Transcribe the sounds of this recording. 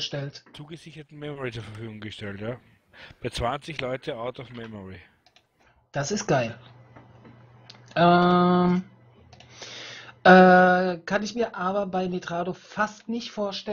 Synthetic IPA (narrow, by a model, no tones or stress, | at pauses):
ʃtɛltt͡suːɡəzɪçɐtn̩mɛmɔʁit͡suːɐfɛɐfyːɡʊŋɡəʃtɛltjaː | b̥aɪt͡sv̥ant͡sɪçlɔʏtʰəaʊtɔfmɛmɔʁi | d̥asɪst̚ɡ̥aɪl | ʔɛːm | ʔɛːkʰanɪçmiːɐʔaːbɐbaɪnetʁ̥aːdofastnɪçtfoːɐʃtɛ